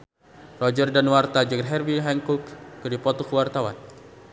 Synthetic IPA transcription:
rɔd͡ʒərdanwart̪ad͡ʒəɡrɦɛrbiɦɛŋkukːədipɔt̪ɔkəwart̪awa̰n

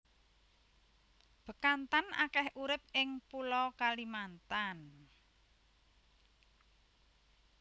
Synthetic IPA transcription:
b̥ə̤kant̪ana̰kɛhʔuɾɪp̚ɪŋpulɔkalimant̪an

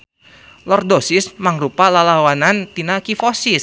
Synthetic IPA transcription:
lɔrdosɪsmaŋɾupalalawanant̪inakifosis

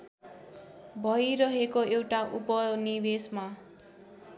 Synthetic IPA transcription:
bʱʌjɾʌɦekoewʈaʔupʌnibesma

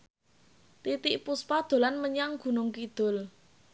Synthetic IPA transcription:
t̪it̪iʔpuspad̪̥o̤lanməɲaŋɡ̥ṳnʊŋkid̪̥ʊ̤l

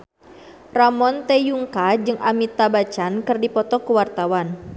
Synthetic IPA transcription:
ramɔnt̪ejuŋkad͡ʒɨŋʔamit̪abat͡ʃankɨrdipɔt̪ɔkuwart̪awan

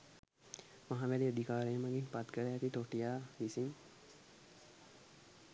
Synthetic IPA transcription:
maɦaʋæɾiəd̪ʱikaːɾejəməɡinpat̪kəɾəɛt̪it̪oʈijaːʋisin

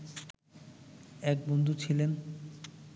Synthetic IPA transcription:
ɛk̚bond̪ʱut͡ɕʰilen

